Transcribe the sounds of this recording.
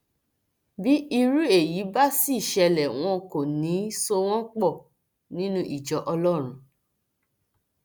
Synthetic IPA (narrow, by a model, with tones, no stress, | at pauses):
bi˦i˧ɾu˦e˦˨ji˨˦ba˦si˦i˦˨ʃɛ˧lɛ˨w̃ɔ̃˧ko˨nĩ˨˦so˧w̃ɔ̃˦k͡pɔ˦˨ | nĩ˦nũ˦ʔi˦˨d͡ʒɔ˨ʔɔ˧lɔ˦ɾ̃ũ˨